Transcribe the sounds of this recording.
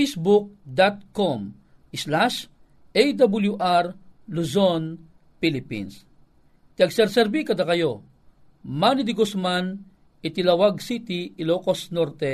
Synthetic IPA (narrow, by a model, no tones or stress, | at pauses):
jsbuk̚d̪at̪̚kom | ɪslaʃ | ʔɛjd̪abuljuʔaɾluzon | pilɪpḭns | t̪iɐɡsɛɾsɛɾbikɐd̪akɐjo | manid̪ɪɡosman | ɪt̪ɪlawaɡsit̪iɪlokosnoɾt̪ɛ